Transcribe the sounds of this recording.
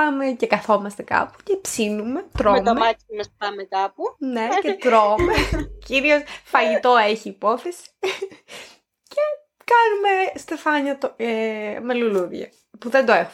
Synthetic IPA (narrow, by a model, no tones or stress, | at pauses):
ɐmecekɐθo̞mɐst̪e̞kɐ̰pu̥cepsinume̞t̪ɾomɐmɐtmesɐmekɐpune̞cet̪ɾomeciɾio̞sfɐʝit̪o̞eçiːpo̞θe̞si̥ | ce̞ | kɐnume̞st̪e̞fɐɲɐt̪oemeluluɾʝɐ̰ | puðe̞nd̪oe̞xu